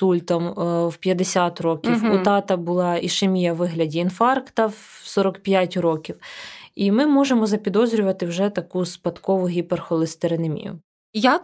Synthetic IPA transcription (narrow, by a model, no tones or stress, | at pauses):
t̪ulʲt̪ɔmwpʲjɐd̪esʲat̪rɔkʲiwʊt̪ɑt̪ɐbʊlˠɑiʃemʲijɐʋɪɦlʲɐdʲiːnfɑrkt̪ɐw | sɔɾɔkpʲjatʲɾɔkʲiwimɪmɔʒemɔzɐpʲid̪ɔzɾʲʊʋɐt̪ɪwʒɛt̪ɐkuspɐd̪kɔʋʊɦʲiperxɔlˠest̪eɾenɐmʲḭjʊ̰ | ja